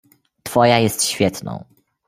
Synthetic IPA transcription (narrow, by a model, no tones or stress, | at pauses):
t̪fɔjajɛst̪ɕfʲjɛt̪nɔ̰̃w̃